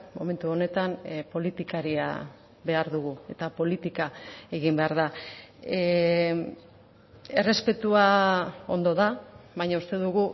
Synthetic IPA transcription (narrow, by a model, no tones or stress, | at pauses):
mo̞me̞nt̪uo̞ne̞t̪anpo̞lit̪ikaɾia̰ | be̞aɾðuɣue̞t̪apo̞lit̪ikae̞ɣimbe̞aɾða | e̞re̞spe̞t̪uao̞nd̪o̞ðaβajɲaust̪e̞ðuɣu